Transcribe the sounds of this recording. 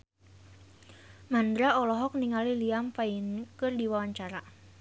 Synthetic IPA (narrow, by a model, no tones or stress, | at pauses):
mand̪ɾaɔlɔɦɔk̚niŋaliliamfainkɨrdiwawaɲt͡ʃaɾa